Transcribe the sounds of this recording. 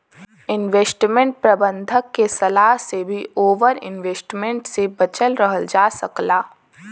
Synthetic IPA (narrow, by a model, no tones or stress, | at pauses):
ɪnʋeːsʈmẽɳʈ̚pɾɐbə̃nd̪ʱəkːesɐlaːɦsebʱiʔoːʋəɾɪ̰nʋeːsʈmẽɳʈsebɐt͡ʃəlɾəɦəld͡ʒaːsɐklaː